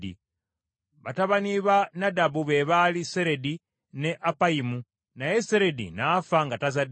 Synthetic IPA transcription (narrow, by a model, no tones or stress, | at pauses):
dḭ | βataβaniβanadabuβeβaliseɾedi | neʔapaimu | najeseɾedḭnafaŋɡatazad